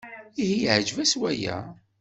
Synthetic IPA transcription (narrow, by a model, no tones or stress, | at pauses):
ihiʕd͡ʒvæswæjæ̰